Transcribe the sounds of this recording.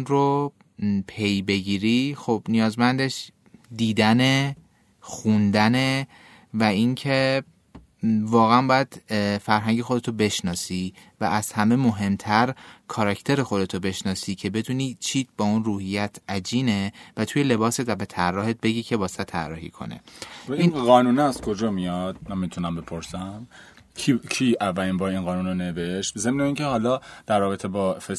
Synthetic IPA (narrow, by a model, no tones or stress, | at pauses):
nro | pʰe̞jbe̞ɟiːɾixobnijɒːzmænd̪e̞ʃ | d̪iːd̪æne̞ | xund̪æne̞ | væiŋcʰe̞ | vɒːɣeænbɒːjæd̪̥fæɾɦæŋɟe̞xo̞d̪e̞t̪ʰobe̞ʃnɒːsivæʔæz̥hæme̞mo̞ɦe̞mt̪ʰæɾkʰɒɾɒcʰt̪ʰeɾexo̞d̪e̞t̪ʰobe̞ʃnɒːsiːcʰe̞be̞d̪uːniːt͡ʃʰiːt̪bɒːunruːhijæt̪ʰʔæd͡ʒiːne̞væt̪ʰuːjele̞bɒːse̞t̪væbe̞t̪ʰærːɒːhe̞t̪̚be̞ɟiːcʰe̞bɒːsæt̪ʰːærːɒ̰ːhḭkʰo̞̰nḛiɣɒːnuːnɛæz̥kʰo̞d͡ʒɒːmijɒd̪̥̚nemːit̪ʰunæmbe̞pʰoɾsæm | kʰicʰiːʔævːælinbɒːiːnɣɒːnuːnoneveʃt̪zemneiːŋcʰehɒːlɒːd̪̥æɾːɒːbe̞t̪ʰebɒːfe